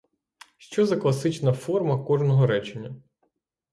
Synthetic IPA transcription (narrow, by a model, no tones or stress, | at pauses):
ʃt͡ʃɔzɐklˠɐsɪt͡ʃnɐfɔrmɐkɔʒnɔɦɔɾɛt͡ʃenʲːɐ